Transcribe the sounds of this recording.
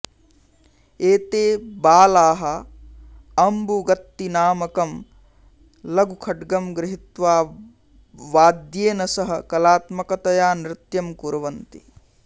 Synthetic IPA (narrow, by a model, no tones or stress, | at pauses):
eːt̪eːbaːlaːɦɐ̆ | ɐmbuɡɐt̪ːinaːmɐkɐm | lɐɡukʰɐɖɡɐmɡɾɪɦit̪ʋaː | ʋaːd̪jeːnɐsɐɦɐ̆kɐlaːt̪mɐkɐt̪ɐjaːnɾɪt̪jɐmkuɾɐʋɐnt̪ḭ